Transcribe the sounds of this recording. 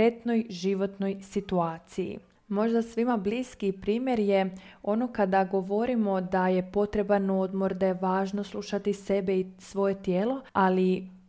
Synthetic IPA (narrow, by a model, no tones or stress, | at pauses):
et̪no̞jʒiʋo̞t̪nojsit̪uaːt̪sijḭ | mo̞ʒd̪asʋimabliːskipɾiːmje̞ɾjeo̞no̞kad̪aɡo̞ʋo̞ɾimo̞d̪aje̞po̞t̪ɾe̞bano̞d̪mo̞ɾd̪ajeʋaːʒno̞slˠuʃat̪ise̞beisʋo̞je̞t̪jeːlo̞ali